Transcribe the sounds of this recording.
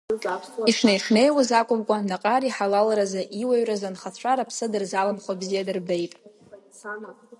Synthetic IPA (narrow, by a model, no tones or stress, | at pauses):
iʂnejʂne̞jwazakʷʼʊmkʷʼanaqʼaɾiħalalɾazaʔiwaɥrazanχat͡ɕʷʰaɾapʰsɨdɨrzalamχʷabzijadɨrbe̞jtʼ